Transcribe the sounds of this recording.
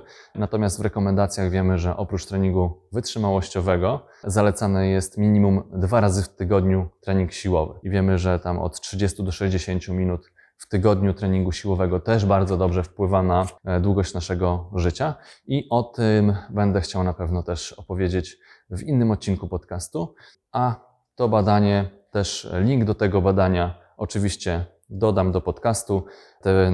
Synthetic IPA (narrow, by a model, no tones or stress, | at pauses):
nat̪ɔmʲjast̪vɾɛkɔmɛnd̪at̪sʲjaɣvʲjɛmɘʐɛʔɔpɾut͡ʂt̪ɾɛɲiŋɡuvɘtʂɘmawɔɕt͡ɕɔvɛɡɔ | zalɛt̪sanɛjɛst̪mʲiɲimumd̪vaɾazɘft̪ɘɡɔd̪ɲut̪ɾɛɲiŋkɕiwɔvɘ̰ivʲjɛmɘʐɛt̪amɔ̰t̪tʂɘd͡ʑest̪ud̪ɔʂɛʑd͡ʑeɕeɲt͡ɕumʲinut̪ | ft̪ɘɡɔd̪ɲut̪ɾɛɲiŋɡuɕiwɔvɛɡɔt̪ɛʐbaɾd̪zɔd̪ɔbʐɛfpwɘvanad̪wuɡɔɕt͡ɕnaʂɛɡɔʐɘt͡ɕaiʔɔt̪ɘmbɛnd̪ɛxt͡ɕawnapɛvnɔt̪ɛʂɔpɔvʲjed͡ʑet͡ɕ | vinːɘmɔt̪̚t͡ɕiŋkupɔt̪kast̪u | ʔa | t̪ɔbad̪aɲɛ | t̪ɛʂlʲiŋɡd̪ɔt̪ɛɡɔbad̪aɲa | ɔt͡ʂɘvʲiɕt͡ɕɛ | d̪ɔd̪amd̪ɔpɔt̪kast̪u | t̪ɛ